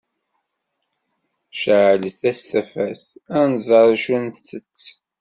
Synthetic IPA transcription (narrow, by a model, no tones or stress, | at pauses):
ʃəʕləθæst̪æfæθænzˤɑɾˤʃunθt͡sːət͡sː